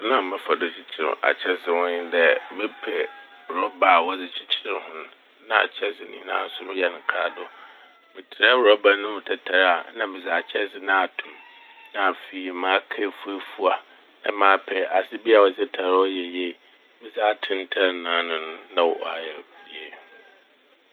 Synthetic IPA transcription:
nã˦mɪ̃˦fa˨dɔ˨˦t͡ɕʰi˦t͡ɕʰɪ˦ɾɪ̰˨ʔa̰˨t͡ɕʰɛ˦sɪ˦hɔ̃˦ɲɪ˦dɛ˦mɪ̃˦pʰɛ˨ | ɾɔ˦ba˨wɔ˦d͡zɪ˦t͡ɕʰi̥˦t͡ɕʰɪ˦ɾɪ˦hʊ̃˦ñ˦ | nã̰˦˨a̰˨t͡ɕʰɛ˦sɪ˦nɪ̃˦nã̰ː˦n̩˦sʊ˦ɾʊ˦jɛ˦nɪ̃˨kʰa˦dʊ˦ | mɪ̃˨tʰɪ˨ɾa˦wɾɔ˦ba˦nʊ̃˦mʊ̃˨tʰɛ˨tʰa˨ɾa˨˦nã˦mɪ̃˨za˨t͡ɕʰɛ˦sɪ˦nã˦a˨tʰũ˨m | nã˨fi˨mã˦kʰa˦fu˦ɛ˦fu˦a˨ | nã˦mãː˨˦pʰɛ˨ʔa˨sɪ˦bi˦a˨wɔ˨sɪ˦tʰa˨ɾwɔ˦jɛ˨je˦˨ | mɪ̃˦za˦tʰɪ̃˦ntʰa˦nãː˦nʊ̃˨nʊ̃˦nã˦wɔ˨w̰a˨jɛ˨je˦˨

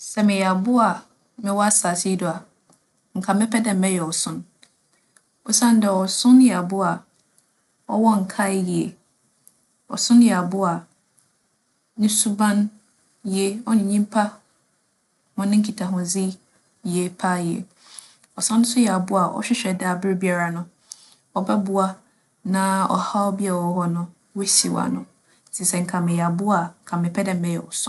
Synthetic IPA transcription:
sɛ˨mɪ̃˨jɛ˨a˨bʊ˦a˨ | mɪ̃˨wɔ˦a˦saː˨si˦dʊ˨a˨ | ŋ̩˨kʰa˨mɪ̃˦pʰɛ˦dɛ̃˦m̩˨mɛ̃˦jɛ˨ɔ˨sʊ̃˦n | ɔ˨sã˦n˦dɛ˨wɔ˨sʊ̃˦njɛ˨a˨bʊ˦a˨ | ɔ̰˦wɔ˦ŋ̩˨kʰa˦ji˨ḛ˨ | ɔ̰˨sʊ̃˦n˦jɛ˨a˨bʊ˦a˨ | nʊ̃˦su˦bã˦n | je˦ɔ˦ɲɪ̃˨ɲĩ˦m˦pʰa˦ | mʊ̃˦nɪ̃˦ŋ̩˦kʰi˨tʰa˨ɦʊ̃˨zi˦ | ji˨e˨pʰa˦jḛ˨ | ɔ˨sã˦nʊ̃˦sʊ˦jɛ˨a˨bʊ˦a˨ʔɔ̰˦ɕᶣɪ˦ɕᶣɛ˨da˦˨bɪ˦ɾbi˦a˨ɾa˨nʊ̃˦ | ɔ˨bɛ˦bʊ˦a˦ | nã˦ɔ̰˨ha˦ɔ˦bi˦a˨wɔ˨˦hɔ˦nʊ̃˦ | we˦si˨wa̰˨nʊ̃˦˨ | si˨sɛ˨ŋ̩˨kʰã˨mɪ̃˨jɛ˨a˨bʊ˦a˨kʰã˨mɪ̃˨pʰɛ˦dɛ̃˨m̩˨mɛ̃˦jɛ˨wɔ̰˨sʊ̃˦

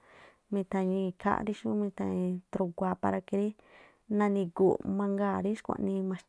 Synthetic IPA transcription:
mĩ˧t̪ã˧ɲĩ˧kʰa̰˦˧ɾi˧ʃũ˦mĩ˧t̪ã˧ĩ˧t̪ɾu˧ɡʷa˧pa˧ɾa˧ki˧ɾi˦ | nã˧nĩ˧ɡu˨mã˧ŋɡaː˦˨ɾi˦ʃkʷã̰˧ʔnĩ˧mã˧

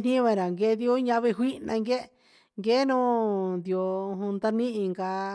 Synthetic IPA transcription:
n̥ĩ˦βã˧ɾa˨ŋɡe˧˦ði˧o˦ɲã˧βe˧ɦʷi˦nã˧ŋɡe˦ | ŋɡe˦nũ˦nd̪i˧˨o˧ũ˧nd̪a˧nĩ˦ʔĩ˧ŋɡa˧

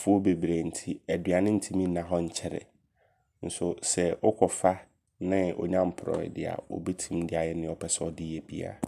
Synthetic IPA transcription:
fʊ˦o˦be˨bɾe˨n̩˨tʰi˦æ˨dɥa˨nɪ̃˦n̩˦tʰi˦mĩ˦nã˨ɦɔ˦ɲ̩˦t͡ɕʰɛ˦ɾɛ̰˨ | n̩˦sʊ˨sɛ˨ɔ˦kʰɔ˨fa˦ | nɪ̃˦ɔ̰˨ɲã˦m̩˨pʰɾɔ̰˨ɪ̰˨dɪ̰˨a̰˨ɔ̰˨bi˦tʰĩ˦mdɪ˦a˨jɛ˦nɪ̃˦ɔ˦˨pʰɛ˦sɛ˦ɔ˨dɪ˦jɛ˨bi˦a̰˨

